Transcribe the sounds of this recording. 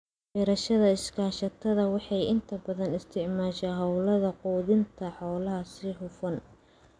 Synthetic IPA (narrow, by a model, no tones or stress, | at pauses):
ħɛːɾɐʃɐðɐɪskʰaːʃɐt̪ʰɐðɐwɑħɑjɪnt̪ʰɐbɐðɐnɪst̪ʰɪʕmaːʃɛɦɐwlɐðɐquːðɪnt̪ʰɐħɔːlɐɦɐsɪɦʊfɐn